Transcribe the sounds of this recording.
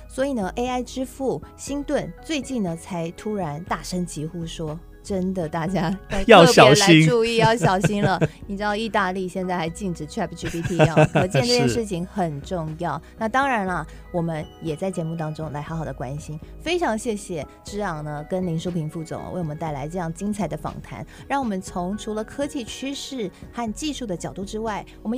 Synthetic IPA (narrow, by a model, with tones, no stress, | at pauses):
swɔ˧˥i˨˩nə˦ʔe˥ɪa˥˩ɪʈ͡ʂɻ̩˥fu˥˩ɕi˥nt̪wə˥˧nt͡swe˥˧ɪt͡ɕi˥˩nd̪ə˩t͡sʰa˧˥ɪt̪ʰu˥ɻa˧˥nt̪a˥˩ʂə˥ŋt͡ɕi˧˥xu˥˩ʂwɔ˥ | ʈ͡ʂə˥nd̪ə˨t̪a˥˩t͡ɕja˥t͡sa˥˧ɪjɑ˥˧ʊ˥˧ɕjɑ˨˥˩ʊla˧ɪi˥ŋʈ͡ʂu˥˧i˥˧jɑ˥˩ʊɕjɑ˨˩ʊɕi˥nlə˨nni˨˩ʈ͡ʂɻ̩˥d̪ɑ˥˧ʊi˥˧t̪a˥˧li˥˧ɕjɛ˥˧nt͡sa˥˩ɪxa˧˥ɪt͡ɕi˥˩nʈ͡ʂɻ̩˨˩ʈ͡ʂʰɛ˥˩pʰʈ͡ʂi˥pi˥pʰi˥˩kɤ˧˥t͡ɕjɛ˧˥˧nʈ͡ʂɤ˥˩jɛ˥˧ʂɻ̩˥˩t͡ɕʰi˧˥ŋxə˨˩nʈ͡ʂʊ˥˧ŋjɑ˥˩ʊna˥˩t̪ɑ˥ŋɻa˧˥nɐ˧ | wɔ˨˩mə˦njɛ˨˩t͡sa˥˩ɪt͡ɕjɛ˧˥mu˥˩t̪ɑ˥ŋʈ͡ʂʊ˥ŋla˧˥ɪxɑ˧˥xɑ˨˩d̪ə˦kwa̰˥nɕi˥nfe˥ɪʈ͡ʂʰɑ˧˥ŋɕjɛ˥˩ɕjɛ˨˩ | ʈ͡ʂɻ̩˥jɑ˥˩ŋnə˦kə˥nli˧˥nʂo˥ʊpʰi˧˥ŋfu˥˩t͡sʊ̰˨˩˦ŋwe˥˩wɔ˨˩ə˦t̪a˥˩ɪla˧˥ɪʈ͡ʂɤ˥˧jɑ˥˩ŋt͡ɕi˥ŋt͡sʰa˧˥ɪd̪ə˧fɑ̰˨˩ŋt̪ʰa̰˧˥˦n | ɻɑ˥˩ŋwɔ˨˩mə˦nt͡sʰʊ˧˥ŋʈ͡ʂʰu˧˥lə˧kʰɤ˥t͡ɕʰi˥˩t͡ɕʰy˥ʂɻ̩˥˩xa˥˧nt͡ɕi˥˧ʂu˥˩d̪ə˩t͡ɕjɑ˨˩ʊt̪u˥˩ʈ͡ʂɻ̩˥wa˥˩ɪ | wɔ˨˩mə˦